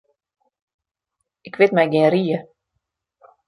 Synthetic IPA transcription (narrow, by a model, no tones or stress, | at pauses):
ɪkʋɪtmɛjɡɪəriːə